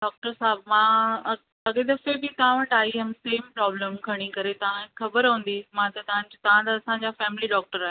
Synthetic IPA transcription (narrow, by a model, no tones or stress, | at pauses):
ɖaːk̚ʈəɾsaːbmãː | ɐɠẽd̪ɐfebɪt̪ɐʋ̤ãʋɐʈaːɦiɦemseːmpɾɔːbləmkʰɐɽ̃ikɐɾet̪ɐʋ̤ãxɐbəɾɦũːn̆d̪imãt̪ɐt̪ɐʋãd͡ʑt̪ɐʋ̤ãt̪ɐɐsãɲd͡ʑafɛːmɪliɖɔːk̚ʈəɾaːɦe